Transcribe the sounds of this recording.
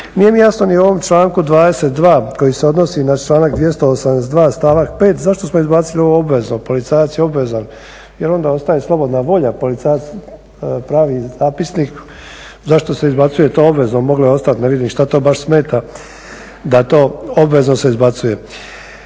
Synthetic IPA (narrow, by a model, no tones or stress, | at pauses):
nijemijasno̞nio̞ʋo̞mt͡ʃlaːŋkud̪ʋaːd̪e̞set̪̚d̪ʋaːko̞jise̞o̞d̪no̞sinat͡ʃlˠaːnakd̪ʋje̞st̪oosamd̪es̬d̪ʋaːst̪aːʋakpe̞ːt̪zaʃt̪o̞smoizbat̪silio̞ʋoobʋe̞znopo̞lit̪saːjat̪sjeo̞bʋe̞zan | je̞ɾo̞nd̪ao̞st̪ajeslˠo̞bo̞d̪naʋo̞ʎapo̞lit̪sajat̪s | pɾaːʋizaːpisnik | zaʃt̪o̞se̞izbat̪suje̞t̪oːo̞bʋe̞znomo̞ɡloeo̞st̪at̪ne̞ʋid̪imʃt̪at̪o̞ːbaʃsme̞ːt̪a | d̪at̪o̞ːobʋe̞zno̞se̞izbat̪suje̞